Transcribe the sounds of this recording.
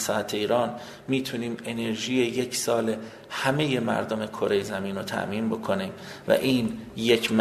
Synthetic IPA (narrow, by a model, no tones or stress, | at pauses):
sɒæt̪ʰeiːɾɒːn | miːt̪ʰuniːme̞ne̞ɾʒiːjeje̞cʰsɒːle | hæme̞je̞mæ̰ɾd̪o̞me̞kʰoɾejezæmiːnot̪ʰæ̰ʔmiːnbo̞kʰo̞niːmvæ̰ʔiːnjecʰm